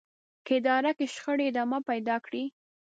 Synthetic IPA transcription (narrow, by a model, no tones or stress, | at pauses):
kəɪd̪ɑɾakeʃxəɽeɪd̪ɑmapajd̪ɑkɽi